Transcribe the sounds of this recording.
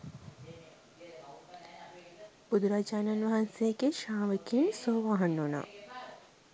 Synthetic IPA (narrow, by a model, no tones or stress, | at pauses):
b̥ud̪uɾaːd͡ʒaːnanʋɐɦansejəɡeʃaːʋəkinsoːʋaɦɐnːona̰